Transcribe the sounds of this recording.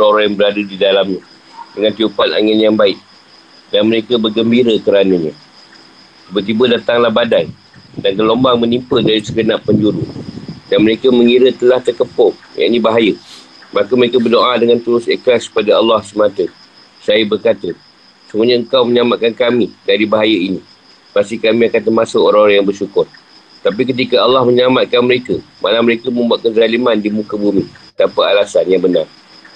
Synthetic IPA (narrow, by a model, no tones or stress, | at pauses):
soɾaŋjaŋbəɾadudidalamɲa | dəŋãnt̪iupana̰ŋɪnjaŋbaɪʔ̚ | danməɾekəbərɡəmbiɾəkəɾanəɲã | t̪ibət̪̬ibədat̪aŋlahbadaj | dankəlombaŋmənimpədaɾisəɡənapːəɲd͡ʒuɾṵdanməɾekəməŋiɾət̪əlaht̪ərkəpʊŋja̰ʔɲibaɦajə | makəməɾekəbərdoʔadəŋant̪uɾʊsə̰kɾaskə̥padaɑlːɑhsəmãt̪ə | sajəbərkat̪ə | səmuɲaəŋkawməɲamaʔkankamidaɾibaɦajəini | past̪ikamĩakant̪əmasəoɾaŋoɾaŋjaŋbərʃukʊr | t̪ap̬ikət̪̬ikəɑlːɑhməɲamat̪̚kanməɾekəmʔa̰laməɾekəmə̃mbuat̪̚kəzalimandimũkəbumit̪apaalasanjaŋbənar